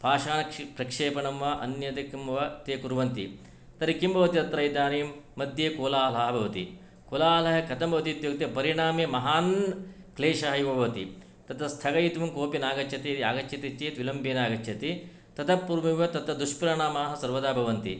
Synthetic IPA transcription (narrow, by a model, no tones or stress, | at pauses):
pʰaːʃaːnɐkpɾɐkʂeːpɐɳɐmʋaːʔɐ̰njɐt̪ɐkimʋɐt̪eːkuɾʋɐnt̪ḭ | t̪ɐɾikimbʱɐʋɐt̪it̪ɐt̪ɾɐjd̪aːnijmːɐd̪jekoːlaːlɐɦɐbʱɐʋɐt̪ḭ | koːlaːlɐɦɐkɐt̪ɐmbʱɐʋɐt̪it̪jok̚t̪epɐɾiɳaːmjɐmɐɦaːn | kleːʃɐɦɐjubʱɐʋɐt̪ḭ | t̪ɐt̪ʰɐst̪ʰɐɡɐjit̪ʋɐmkoːpinaːɡɐt͡ʃʰːɐt̪eiiaːɡɐt͡ʃʰːɐt̪it͡ʃeːt̪ʋilɐmbeːnaːɡɐt͡ʃʰɐt̪i | t̪ɐt̪ʰɐpːuɾʋimjɐt̪ɐt̪ɐd̪uʂpɾaːɳaːmaːɦɐsɐɾʋɐd̪aːbʱɐʋɐnt̪ḭ